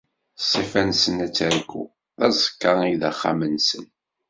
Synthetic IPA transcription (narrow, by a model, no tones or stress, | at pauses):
sˤːifænsənæt͡sːəɾɡṵ | ðæzˤə̥kːɑiðəχːa̰mənsən